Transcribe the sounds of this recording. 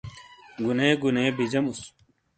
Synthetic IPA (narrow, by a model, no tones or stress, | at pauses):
ɡuneːɡuneːbʱid͡ʑɐmus